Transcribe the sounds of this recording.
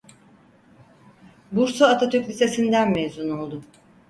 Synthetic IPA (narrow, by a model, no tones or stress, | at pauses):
buɾsoat̪ʰat̪ʰøklʲise̞sind̪ænmezuno̞lˠd̪ʊ